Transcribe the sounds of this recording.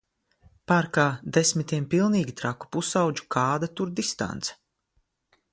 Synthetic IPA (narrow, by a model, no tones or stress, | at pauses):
paːɾkaːd̪esmit̪ʲiɛmpilˠniːɡʲit̪ɾaku̥pusawd͡ʒu̥kʰaːd̪at̪uɾd̪ist̪a̰nt̪sɛ̥